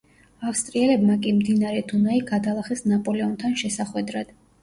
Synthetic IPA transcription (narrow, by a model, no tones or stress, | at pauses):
afst̪ʼɾiɛlɛbmakʼimd̪inaɾɛd̪ʰunaiɡad̪alˠaχɛsnapʼɔlɛɔnt̪ʰanʃɛsaχwɛd̪ɾad̪̥